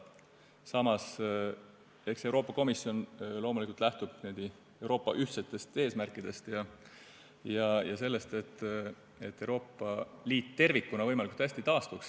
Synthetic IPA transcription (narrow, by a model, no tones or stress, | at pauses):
sɑmɑs | e̞kse̞wɾo̞ːpˑːɑko̞misːjo̞nlo̞ːmulikːˑult̪læht̪ub̥ned̪̥i | e̞wɾo̞ːpːɑʔyht̪se̞t̪ːˑe̞st̪e̞ːsmærkːˑid̪̥e̞st̪jɑ | jɑjɑse̞lːe̞st̪e̞t̪ːˑ | e̞t̪ːe̞uwɾo̞ːpːˑɑliːt̪ːe̞rvikːunɑvɤjmɑlikult̪æsʲt̪it̪ɑːst̪uks